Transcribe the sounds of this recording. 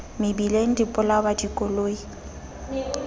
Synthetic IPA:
mɪbileŋ̩dipʼʊlabadikʼɔloːi

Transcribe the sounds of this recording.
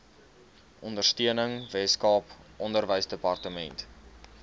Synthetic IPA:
ʔɔndərstiənəŋvɛtskɑːpʔɔndərvəjsdəpɐrtəmɛ̰nt

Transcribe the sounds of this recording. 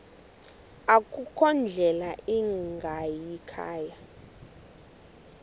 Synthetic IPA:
akʼukʰɔnd͡ɮʱɛlaʔiŋɡʱajikʰa̰ːja

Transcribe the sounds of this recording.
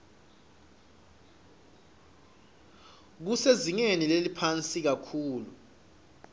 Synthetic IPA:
k̬useziŋenilelipʰant͡sʼik̬akʰuːlu

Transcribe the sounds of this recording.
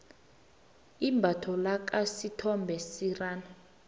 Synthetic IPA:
imbʱatʰɔlak̬ʼasitʰɔmbʱɛsiraːna

